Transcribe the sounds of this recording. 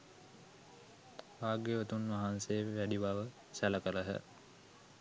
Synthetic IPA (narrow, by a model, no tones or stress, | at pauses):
ʋaːɡeʋət̪unʋaɦanseʋæɖiʋaʋə | sæləkəɾəɦə̰